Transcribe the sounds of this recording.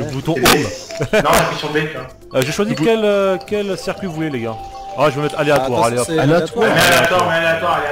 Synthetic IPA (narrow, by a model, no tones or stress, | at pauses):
əbut̪ɔ̃omnɔ̃safisɔ̃d̪ɛkã | ʒeʃwazikkʲɛløkʲɛlsiʁkʲɥivuleleɡa | aʒəvəmɛt̪χaleat̪waʁaleat̪wlat̪wamɛaleat̪waʁmɛaleat̪waale